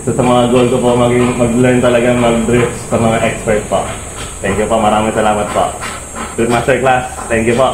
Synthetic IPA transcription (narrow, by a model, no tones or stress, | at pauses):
t̪usəmaaɡolt̪upɔʔmaɡiməɡlənt̪ɔlaɡamaɡ̚dɾɪp̚səməŋaʔɛkspɛɾt̪̚pɔʔ | t̪ɛŋkjupɔʔmaɾamisəlamat̪̚pɔ̰ʔ | dɾɪp̚mast̪əɾklast̪ɛŋkjupɔʔ